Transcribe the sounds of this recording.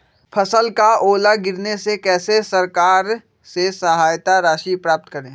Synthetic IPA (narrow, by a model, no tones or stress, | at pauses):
pʰɐsəlkaoːlaɡɪɾnesekɛːsesɐɾkaːɾ | sesɐɦaːjt̪aɾaːʃipɾaːp̚t̪kɐɾẽː